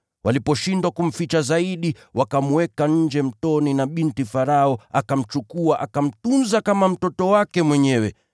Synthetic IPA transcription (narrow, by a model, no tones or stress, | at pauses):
wʔalipɔʃindwakum̩fit͡ʃazaiɗi | wakamwɛkaɲ̩d͡ʒɛm̩tɔninaɓintifaɾaɔakam̩t͡ʃukuaʔakam̩tunzakamam̩tɔtɔwakɛmwɛɲɛwɛ